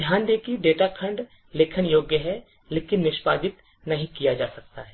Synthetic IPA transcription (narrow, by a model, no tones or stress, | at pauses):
d̪ʱjaːnd̪eːkʰiɖeːʈakʰɐ̃ɳɖ | leːkʰənjoːɡjəɦɛ | leːkɪnːɪʃpaːd̪ɪt̪ | nɐɦĩkijad͡ʒaːsɐk̚t̪aɦɛː